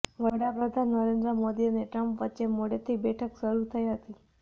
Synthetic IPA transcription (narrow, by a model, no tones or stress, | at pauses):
ʋəɽapɾəd̪ʱanːəɾẽnd̪ɾəmod̪iəneʈɾəmpʋətːt͡ʃemoɽet̪ʰibɛʈʰəkʃəɾut̪ʰəiɦət̪i